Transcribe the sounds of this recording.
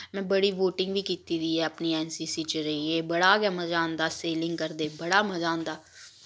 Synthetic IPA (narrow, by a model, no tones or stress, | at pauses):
mɛ̃ːbəɽiːʋoːʈɪ̃ŋɡʋiːkiːt̪iːɾiːɛːəpniːɛːnsiːsiːt͡ʃəɾəiːeːbəɽaːɡɛːməd͡ʒãːnd̪aːseːlɪ̃ŋɡ̚kəɾd̪eːbəɽaːməd͡ʒãːnd̪aː